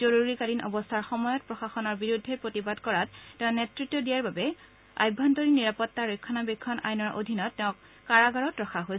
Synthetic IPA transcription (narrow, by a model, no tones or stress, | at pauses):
zoɹuɹikaɹinʔɔ̰bɔstʰaɹxɔmɔjɔt̚pɹɔxaxɔnɔɹbiɹudʱːeɹpɹotibadkɔɹattːɛʊ̃netɹitːɔdijaɹbabɛ | a̰jbʱːɔntoɹiniɹapɔtːaɹojkʰːɔnabikʰːɔnʔa̰jnɔɹʔo̰dʱinɔtːɛʊ̃kː | aɹaɡaɹɔtɹɔxaɦojs